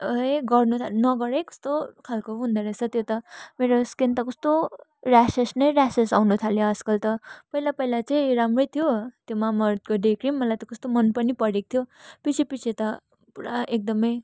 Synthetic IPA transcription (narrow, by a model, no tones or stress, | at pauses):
ʌjɡʌrnut̪ʰalnʌɡʌɾekʌ̥st̪okʰalkoɦund̪ʌɾʌsʰʌt̪jot̪ʌmeɾoskent̪ʌkʌst̪orasesnʌjɾasesawnut̪ʰaljoʌd͡zkʌlt̪ʌpʌjlapʌilat͡sʌĩɾamrʌjt̪ʰijot̪jomamʌrt̪̚koɖekrimmʌlajt̪ʌkʌst̪omʌnpʌnipʌɽek̚t̪ʰjopit͡sʰipit͡sʰet̪ʌ | puɾaek̚d̪ʌmʌj